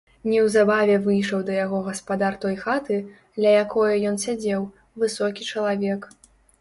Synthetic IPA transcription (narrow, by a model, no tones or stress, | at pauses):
nʲɛwzabavʲɛvɨjʂɐwd̪ɐjaɣɔɣɐspad̪art̪ɔjxat̪ɨ | d̪lʲɐjakʰɔjɐjɔnsʲad͡zʲɛw | vɨsɔkʲit͡ʂɐlˠavʲɛk